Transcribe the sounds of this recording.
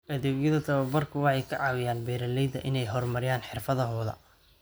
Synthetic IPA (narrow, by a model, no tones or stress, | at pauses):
ʔɐðuːɡjɐðɐt̪ʰɐβɐbɐrkʰʊwɑħɑjkʰɐʕɑːwɪjaːnbɛːɾɐlɛjðɐʔɪnɛjɦɔrmɐɾɪjaːnħɪrfɐðɐɦɔːðɐ̰